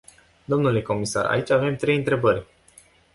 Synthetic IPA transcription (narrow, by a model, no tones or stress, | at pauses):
d̪o̞mnule̞ko̞misa̰ra̰it͡ʃʲave̞mt̪ɾe̞jɨnt̪ɾe̞bərʲ